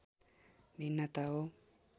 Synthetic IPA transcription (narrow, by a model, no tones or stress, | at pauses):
minːat̪ao